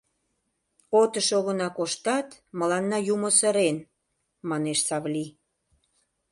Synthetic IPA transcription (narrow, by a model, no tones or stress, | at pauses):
ot̪əʃoɣənɑkoʃt̪ɑt̪mə̆lɑnːɑjumosə̆ɾen | mɑneʃsɑβli